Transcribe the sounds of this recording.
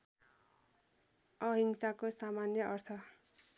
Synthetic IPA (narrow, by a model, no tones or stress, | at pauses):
ʌɦiŋsakosamanjʌʔʌrt̪ʰʌ